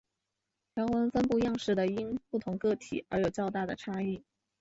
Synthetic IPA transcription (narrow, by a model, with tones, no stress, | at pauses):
t͡ɕjɑ˧˥ʊwə˧˥nfə˥npu˥˧jɑ˥˧ŋʂɻ̩˥˩d̪ə˩i˥npu˥˩t̪ʰʊ˧˥ŋkɤ˥˩t̪ʰḭ˨˩ə˞˧˥jo˨˩ʊt͡ɕjɑ˥˧ʊt̪a˥˩d̪ə˩ʈ͡ʂʰa˥i˥˩